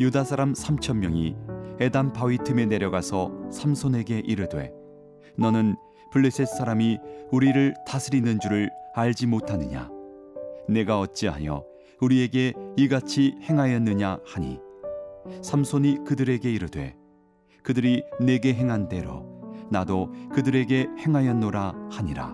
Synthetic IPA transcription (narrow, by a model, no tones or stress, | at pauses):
judasʰaɾamsʰamt͡ɕʰʌmːjʌŋḭe̞dampawitʰɯme̞ne̞ɾjʌɡasʰʌsʰamsʰone̞ɡe̞ʔiɾɯdwe̞̰ | nʌnɯn | puɭːesʰe̞s͈ʰaɾamiuɾiɾɯɭtasʰɯɾinːɯnd͡ʑuɾɯɭaɭd͡ʑimotʰanɯ̰ɲa̰ | ne̞ɡaʌt̚t͡ɕ͈iɦa̰jʌ̰ | uɾie̞ɡe̞iɡat͡ɕʰihe̞ŋɦajʌnːɯɲahaɲḭ | sʰamsʰoɲikɯdɯɾe̞ɡe̞iɾɯdwe̞̰ | kɯdɯɾine̞ɡe̞ɦe̞ŋɦande̞ɾo̰nadokɯdɯɾe̞ɡe̞he̞ŋɦajʌnːoɾahaɲiɾa̰